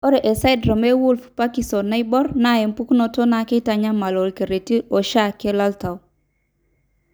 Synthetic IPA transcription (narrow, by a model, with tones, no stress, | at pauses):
o˦ɾe˨ʔe˨sa˦jdɾa˨me˦wu˦lfpa˦ki˨so˨na˦i˦bɔ˦ɾna˦je˨mpu˦ku˦no˨to˦na˨ke˦ta˨ɲa˦ma˨lo˨lke˨ɾe˨ti˦ʔo˨ʃa˦˨ke˦la˦lta˨w